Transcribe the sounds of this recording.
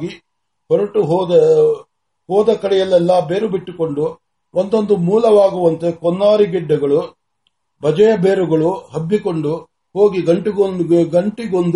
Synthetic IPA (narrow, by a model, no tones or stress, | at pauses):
ɡi | bɐɾɐʈuɦɔːd̪ɐ | hɔːd̪ɐkɐɽɛjɐlːɛlːɐbeːɾubiʈːuko̞ɳɖu | ʔond̪o̞nd̪umuːlɐʋaːɡuʋɐnt̪ekɔnːaːɾiɡiɖːɐɡɐɭu | bɐd͡ʒɐjɐbeːɾuɡɐɭuɦɐbːikoɳɖu | ho̞ːɡiɡɐɳʈiɡonɡɐɳʈiɡond̪